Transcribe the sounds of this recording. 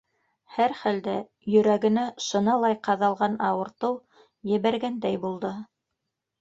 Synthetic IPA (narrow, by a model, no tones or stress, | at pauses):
hæɾχæld̪æ | jɵ̆ɾæɡɘ̆næʃɤ̆nɑlˠɑjqɑðɑlˠʁɑnɑwɤ̆ɾt̪ɤw | jɘ̆βæɾɡænd̪æjbulˠd̪ɤ